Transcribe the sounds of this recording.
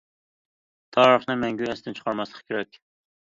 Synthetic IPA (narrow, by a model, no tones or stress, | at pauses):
t̪ʰɑːɾəχnɨmɛŋɡʲyɛst̪ɪnt͡ʃʰχʰɑɾmɑslˠə̥qkʲʰeɾɛkʲ